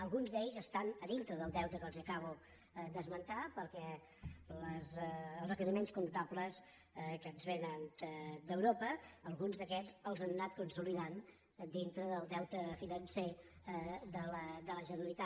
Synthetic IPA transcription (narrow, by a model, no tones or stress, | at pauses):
əlˠɣunzd̪eʎzəst̪anəðint̪ɾəðəlˠd̪ɛwt̪əkəlˠziəkaβ̞u | d̪əzmənt̪apəɾkɛ | ləzlrəkəɾimenskunt̪apləs | kənzβenənd̪əd̪əwɾopəːlˠɣunzðəkɛzəlˠzanːat̪̚kunsuliðan | d̪int̪ɾəðəlˠd̪ɛwt̪əfinənse | d̪ələd̪ələʒənəɾəlit̪a